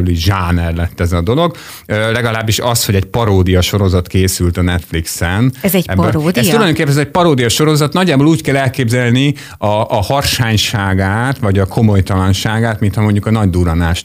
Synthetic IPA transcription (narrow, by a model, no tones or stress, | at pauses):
yliʒaːnɛrlɛt̪ːɛzɒd̪o̞lo̞ɡ | ølɛɡɒlaːbːiʃɒsho̞ɟɛɟpɒɾoːd̪ijɒʃo̞ɾo̞zɒt̪keːsylt̪ɒnɛt̪fliksɛnɛɛɛbbɛɛt̪uɒjd̪oŋkeːpːɛnɛzɛc̚pɒɾoːd̪ijɒʃo̞ɾo̞zɒt̪nɒɟːaːboːluːckɛlɛlkeːbzɛlni | ɒʔhɒrʃaːɲʃaːɡaːt̪vɒɟɒkʰo̞mo̞jt̪ɒlɒnʃaːɡaːt̪mint̪hɒmo̞ɲɟukɒnɒɟd̪uɾɒnaːʃt̪